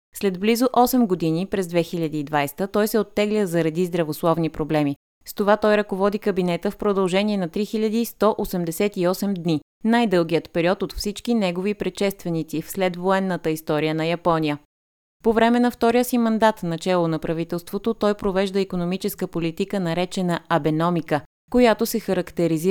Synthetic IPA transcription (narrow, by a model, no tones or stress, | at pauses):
slɛd̪blizoʔɔsɛmɡod̪inipɾɛzd̪vɛxilʲɐd̪iːd̪vajst̪ət̪ɔjsɛot̪ːɛɡlʲəzɐɾɐd̪izd̪ɾɐvoslˠɔvnipɾoblɛmi | st̪ovat̪ɔjɾɐkovɔd̪ikəbinɛt̪əfpɾod̪ɐlˠʒɛniɛnɐt̪ɾixiʎʲəd̪iːst̪ɔʔosɛmd̪ɛsɛt̪iɔsɛmd̪ni | najd̪ɤlˠɡijət̪pɛɾiɔt̪ot̪fsit͡ʃkinɛɡovipɾɛʃɛst̪vɛnit̪sifslɛd̪voɛnːət̪əist̪ɔɾijənɐjɐpɔnʲijə | povɾɛmɛnɐft̪ɔɾijəsimɐnd̪at̪nɐt͡ʃɛlˠonɐpɾɐvit̪ɛlˠst̪vot̪ot̪ɔjpɾovɛʒd̪əikonomit͡ʃɛskəpolit̪ikənɐɾɛt͡ʃɛnɐɐbɛnɔmikə | kojat̪osɛxɐɾɐkt̪ɛɾizi